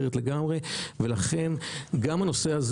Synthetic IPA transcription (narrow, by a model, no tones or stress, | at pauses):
et̪le̞ɡamʁe̞ve̞laχe̞nɡamhano̞se̞haz